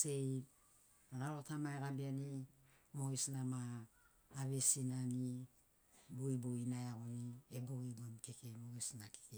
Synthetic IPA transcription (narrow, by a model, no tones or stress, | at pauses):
sej | ɾaɾotamaekabianimoesnamaː | βesinani | boiboinajaɣonieboiɡonkekemoesnake̥ke